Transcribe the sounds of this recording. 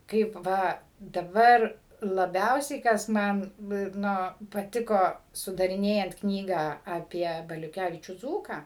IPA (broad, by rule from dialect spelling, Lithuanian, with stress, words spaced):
ˈkɐɪp ˈʋɐ dɐˈbɐr lˠɐˈbʲɛʊsʲɛɪ kɐs ˈmɐn ˈnʊ ɪr ˈnoː pɐˈtʲɪkoː sʊdɐrʲɪˈnʲeːjɛnt ˈknʲiːɡɑː ɐˈpʲiɛ bɐlʲʊˈkʲæʋʲɪt͡ʃʲuː ˈd͡zuːkɑː